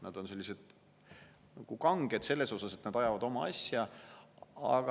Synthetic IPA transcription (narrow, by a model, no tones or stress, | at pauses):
nɑd̪̥o̞nse̞lʲːise̞d̪̥ | nɑɡ̥ukɑŋɡ̥ed̪̥se̞lːe̞so̞sɑset̪nɑd̪̥ɑjɑvɑd̪o̞mɑɑ̰sjɑ | ɑ̰ɡ̥ɑ